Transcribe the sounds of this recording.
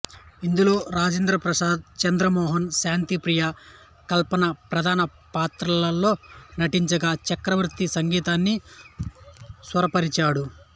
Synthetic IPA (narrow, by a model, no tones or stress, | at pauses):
ind̪ulo̞ːɾaːd͡ʒeːnd̪ɾɐpɾɐsaːd̪̚t͡ʃɐnd̪ɾɐmɔːɦɐnʃaːnt̪ipɾijɐ | kɐlpɐnɐpɾɐd̪ʱaːnɐ | paːt̪ɾɐlɐlːo̞ːnɐʈiɲt͡ʃɐɡaːt͡ʃɐkɾɐʋɾut̪ːisɐŋɡiːt̪aːnːi | sʋɐɾɐpɐɾit͡ʃaːɽu